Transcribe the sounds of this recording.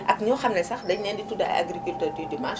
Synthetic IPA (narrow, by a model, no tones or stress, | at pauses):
ʔɐkɲɔwxɐmnɛsɐxdɐɲnɛːnditudɐ̰a̰ɡɾikyltœːrdydimãʃ